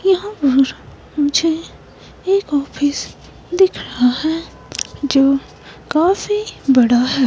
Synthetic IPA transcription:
jɐɦãpɐɾ | mʊd͡ʒʱe | eːkɔːfɪs | d̪ɪkʰɾɐɦaɦɛː | d͡ʒoː | kaːfibɐɽaɦɛː

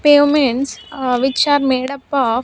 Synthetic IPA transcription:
peːmeɳʈsʋit͡ʃaːɾmeːɽɐpːaː

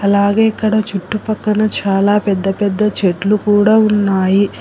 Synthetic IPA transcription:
ɐlaːɡeːikːɐɽɐt͡ʃuʈːupɐkːɐnɐt͡ʃaːlaːpɛd̪ːɐpɛd̪ːɐt͡ʃeʈlukuːɽaːunːaːji

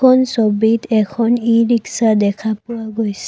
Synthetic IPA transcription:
ɔnsɔbid̪ɛkʰɔniɹiksadɛkʰapʊwaɡojs

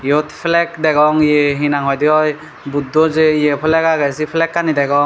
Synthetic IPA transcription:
jɔtʰpʰlɛk̚daɡɔŋjeɦinaŋɦɔjdiɔj | but̚dɔzejepʰlɛkaɡasipʰlɛkːanidajɡɔŋ

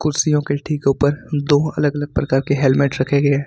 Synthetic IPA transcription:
kʊɾsijõkeʈʰiːkʊpəɾd̪oːɐ̰ləɡɐləɡ̚pɾɐkaːɾkeɦɛlmeːʈɾɐkʰeɡɐeː

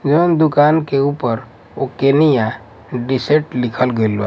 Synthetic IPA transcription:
d͡ʒond̪ʊkaːnkeuːpəɾ | okenija | ɖɪseʈlɪkʰəlɡel

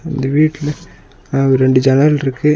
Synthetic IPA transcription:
ɪnd̪ɐʋiːʈːɪl | ɔɾɾɛɳɖɯd͡ʒɐnɐɾlɪɾɯkːɯ

